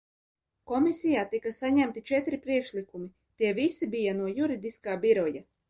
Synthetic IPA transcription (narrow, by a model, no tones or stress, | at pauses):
kɔmisʲijaːt̪ikasaɲæmt̪it͡ʃɛt̪ɾipɾiɛkʃlikumi | t̪iɛvisibijanuɔjuɾid̪iskaːbiɾɔja